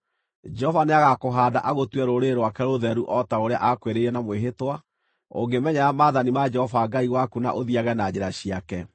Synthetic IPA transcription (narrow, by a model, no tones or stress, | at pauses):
d͡ʒɛɔvaneaɣakoɦaːda̰ʔaɣotwɛɾoɾeɾwakɛɾoðɛɾuʔɔtaoɾea̰ʔakweɾeiɾɛnamweɦetwa | o̰ŋɡemɛɲaɾamaðanimad͡ʒɛhɔvaɡaiɣwakuna̰ʔoðiaɣɛnad͡ʑeɾaɕiakɛ